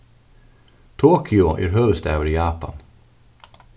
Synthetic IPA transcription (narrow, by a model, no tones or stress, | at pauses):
t̪ʰoːkʰʏʊʔæ̰ːɾhœːʋst̪æ̰ːʋəɾiːjɑːpa̰n